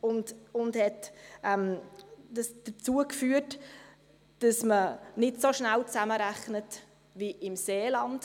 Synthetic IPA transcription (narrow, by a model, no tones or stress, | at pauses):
ʊndʊndhɛtʔɛmdəsd̥ət͡suəkfyːət | d̥ɑsmənɪtsoʃnælt͡sæməɾæχnət | viʔɪmseːlɑnd̥